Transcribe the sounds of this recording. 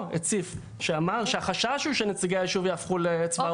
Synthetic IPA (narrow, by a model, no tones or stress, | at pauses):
et͡sif | ʃeamaʁʃeaχaʃaʃhuʃenet͡siɡeiʃuvjaːfχulet͡sva